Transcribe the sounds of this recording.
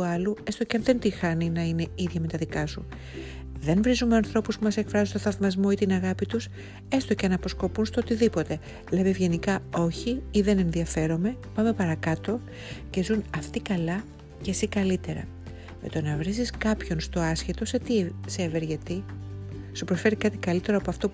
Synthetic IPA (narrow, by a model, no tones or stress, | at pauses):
uɐlue̞st̪oceɐnðe̞nt̪ixɐninɐine̞iðʝɐme̞t̪ɐðikɐsu | ðe̞nvɾizumeɐnθɾo̞puspumɐse̞kfɾɐzunt̪oθɐðmɐzmo̞it̪inɐɣɐpit̪us | e̞st̪o̞ceɐnɐpo̞sko̞punst̪oot̪iðipo̞t̪e̞ | le̞mevʝe̞nikɐo̞çiiðe̞ne̞nðiɐfe̞ɾo̞me̞pɐme̞pɐɾɐkɐt̪o̞ | ce̞zunɐft̪ikɐlɐ | ce̞sikɐlit̪e̞ɾɐ̰ | mḛt̪o̞nɐvɾiziskɐpço̞nst̪o̞ɐsçet̪o̞se̞t̪ise̞veɾʝɐt̪i | supɾosfe̞ɾikɐt̪ikɐlit̪e̞ɾoɐpo̞ɐft̪o̞